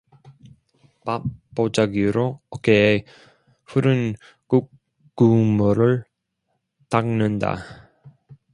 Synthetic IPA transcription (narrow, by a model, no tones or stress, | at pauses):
papp͈ːod͡ʑaɡiɾoʌkeː | ɸuɾɯn | kuk | k͈ːumɯɾɯɭ | taŋnɯnda̰